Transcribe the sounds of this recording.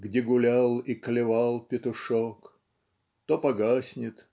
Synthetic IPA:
ɡdʲeɡʊlʲalˠiklʲɪvalˠpʲɪt̪ʊʂok | t̪opɐɡasʲnʲɪt̪

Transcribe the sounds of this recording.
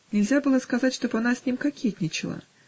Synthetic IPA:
nʲɪlʲzʲabɨlˠəskɐzatʲʂt̪obɐnasʲnʲimkɐkʲet̪ʲnʲɪt͡ɕɪlˠa̰

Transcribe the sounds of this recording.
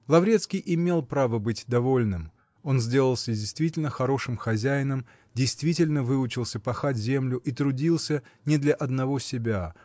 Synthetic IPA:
lˠɐvɾʲet̪skʲɪjʔɪmʲe̞lˠpɾavəbɨtʲd̪ɐvo̞lʲnɨm | o̞nzʲdʲe̞lˠəlˠsʲədʲɪjst̪vʲitʲɪlʲnəxɐɾo̞ʂɨmxɐzʲæjɪnəm | dʲɪjst̪vʲitʲɪlʲnəvɨʊt͡ɕɪlˠsʲəpɐxatʲzʲe̞mlʲʊʔit̪ɾʊdʲilˠsʲənʲɪd̪lʲɐʔɐd̪nɐvo̞sʲɪbʲa

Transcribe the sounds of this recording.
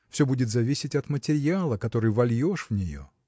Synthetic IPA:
fsʲobudʲɪt̪zɐvʲisʲɪtʲɐt̪mətʲɪɾʲjalˠəkɐt̪o̞ɾɨjvɐlʲjo̞ʂvnʲɪjo̞̰

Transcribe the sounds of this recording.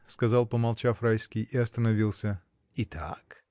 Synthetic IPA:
skɐzɑlˠpəmɐlˠt͡ʃafrajskʲɪjɪɐst̪ənɐvʲilˠsʲə | it̪ʰa̰k

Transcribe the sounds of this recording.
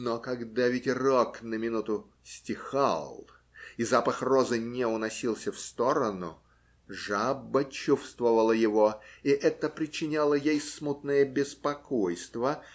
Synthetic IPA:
nokɐɡd̪avʲɪtʲroknəmʲɪnut̪ʊ | sʲtʲɪxa̰lˠ | izapəxrozɨnʲɪʊnɐsʲilˠsʲəfst̪o̞ɾənʊ̰ | ʐabːət͡ɕufst̪vəvəlˠəjɪvoiʔɛt̪əpɾʲɪt͡ɕɪnʲalˠəjejsmut̪nəjəbʲɪspɐkojst̪və

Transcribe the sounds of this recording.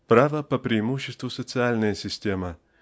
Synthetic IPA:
pɾavəpəpɾʲɪːmuɕːɪst̪vʊsət̪sɨalʲnəjəsʲɪsʲtʲemə

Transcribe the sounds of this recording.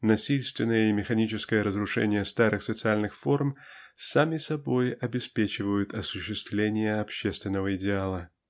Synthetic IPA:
nɐsʲilʲst̪vʲɪnːəjəɪmʲɪxɐnʲit͡ɕɪskəjəɾəzɾʊʂɛ̰nʲɪjəst̪aɾɨxsət̪sɨalʲnɨxfo̞rmsamʲɪsɐbo̞jɐbʲɪspʲet͡ɕɪvəjʊt̪ɐsʊɕːɪst̪vlʲenʲɪjəɐpɕːe̞st̪vʲɪnːəvəɪdʲɪalˠə

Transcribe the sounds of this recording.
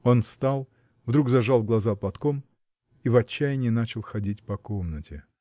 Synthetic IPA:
o̞nfst̪alˠ | vd̪ɾuɡkzɐʐalˠɡlˠɐzaplˠɐt̪kom | ivɐt͡ɕːæjɪnʲɪɪnat͡ɕɪlˠxɐdʲitʲpɐkomnətʲɪ

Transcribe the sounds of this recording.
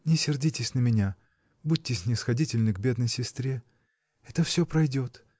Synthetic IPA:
nʲɪsʲɪrdʲitʲɪsʲnəmʲɪnʲa | bud̚ʲtʲːɪsʲnʲɪsxɐdʲitʲɪlʲnɨɡbʲe̞d̪nəjsʲɪst̪ɾʲe | ɛt̪əfsʲɵpɾɐjdʲo̞t̪

